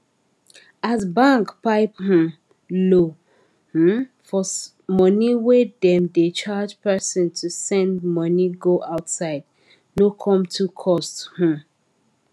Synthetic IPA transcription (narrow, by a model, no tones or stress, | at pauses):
azbãŋkpaɪp̚h̩ | lo | h̩fɔ | mʌniwedɛ̃mdet͡ʃad͡ʒpɛsɔ̃ntʰusɛ̃ndmʌniɡoʔaʊtsaɪd | nokʰɔ̃mtʰukʰɔsthũ